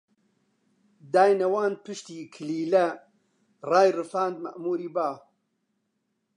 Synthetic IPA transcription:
d̪aːjnɐwaːnpɨʃt̪iːkʰɨliːlɐ | raːjrɨfaːnd̪mɐ̰ʔmuːɾiːbaː

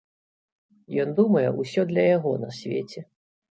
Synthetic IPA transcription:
jɔnd̪umɐjɛʔusʲɔd̪lʲɐjaɣɔnɐsʲvʲḛt͡sʲɛ

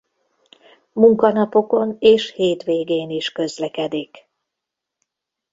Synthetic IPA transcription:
muŋkɒnɒpo̞ko̞neːʃheːt̪ʋeːɡeːniʃkø̞zlɛkɛd̪ik

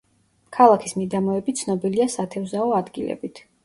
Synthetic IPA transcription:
kʰalˠakʰismid̪amɔɛbit̪sʰnɔbiliasat̪ʰɛvzaɔad̪ɡilɛ̰bit̪ʰ

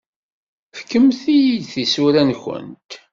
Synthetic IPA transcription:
fkːəmθijid̪θisuɾænçə̰nt̪

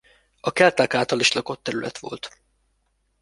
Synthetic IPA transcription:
ɒkɛlt̪aːkaːlt̪ɒliʃlɒko̞t̪ːɛɾylɛ̰t̪ʋo̞̰lt̪

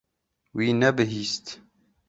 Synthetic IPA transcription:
wiːnɛbɨɦiːst̪

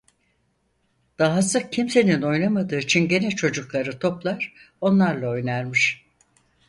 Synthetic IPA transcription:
d̪̥aɦasɯk̚cʰimse̞nino̞jnamad̪ɯːit͡ʃʰinɟe̞nɛt͡ʃʰo̞d͡ʒuklˠaɾɯt̪ʰo̞plˠaɾ̥ | o̞nlˠaɾlˠao̞jnaɾmɯʃ

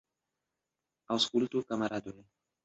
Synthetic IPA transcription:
awskult̪ukamaɾad̪ue

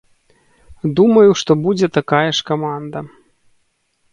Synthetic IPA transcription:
d̪umɐjuʂt̪ɔbud͡zʲɛt̪akajɛʂkamand̪ɐ

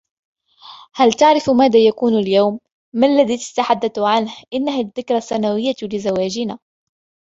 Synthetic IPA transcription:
halt̪aʕɾɪfmaːðaːjakuːnaljawmː | aalːaðiːt̪ḁt̪aħad̪ːaθʕanhʔɪnːaɦaðːɪkɾˤaθːanawɪjːalɪzawaːd͡ʒɪnaː

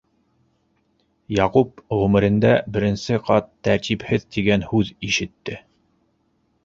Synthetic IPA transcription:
jɑqupʁʉmɘ̆ɾɘ̆nd̪æbɘ̆ɾɘ̆nsɘqɑt̪ːæɾt̪iphɘðt̪iɡænhʉðiʃɘ̆t̪ːɘ

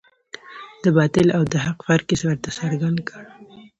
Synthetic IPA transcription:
d̪əbɑt̪ɪlawd̪əɦaqfaɾkiswaɾt̪asaɾɡand̪kʰaɽ

